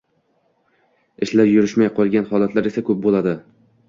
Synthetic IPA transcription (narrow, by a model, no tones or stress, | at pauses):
ɪʃlaɾjʊɾɪʃmajqʰɒlˠɡʲanhɒlˠat̪laɾe̞sakʰɵp̚bolˠad̪ɪ